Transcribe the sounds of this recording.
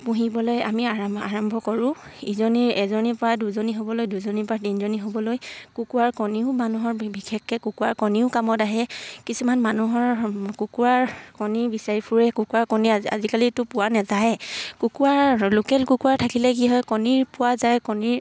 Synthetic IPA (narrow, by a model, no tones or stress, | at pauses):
puɦibɔlojamiaaaɹɔmbʱɔkɔɹʊ̃ | izɔniɛzɔnipɔɹaduzoniɦobɔlojduzɔnipɹatinzoniɦobɔlojkukuwaɹkɔniʊmanuɦɔɹbʱikʰɛkːɛkukuwaɹkɔniʊkamɔtaɦɛkisumanmanuɦɔɹkukuwaɹkɔniɹbisaɹipʰuɹɛkukuwaɹkɔnia̰zikalitʊpʊwanɛzajkukuaɹlukɛlkukuwaɹtʰakilɛk̬iɦɔjkɔniɹpʊwazajkɔniɹ